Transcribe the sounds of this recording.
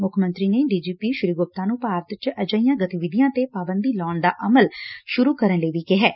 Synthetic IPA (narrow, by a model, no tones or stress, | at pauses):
mʊkʰmə̃nt̪ɾiːneːɖiːd͡ʒiːpiːʃʊɾiːɡʊp̚t̪ãːnũːpaːɾt̪t͡ʃʔəd͡ʒaːijãːɡət̪iʋɪd̪ijãːt̪eːpaːbənd̪iːlɔːɳd̪aːʔəməlʃʊɾuːkəɾənləiːʋiːkɪɦɛː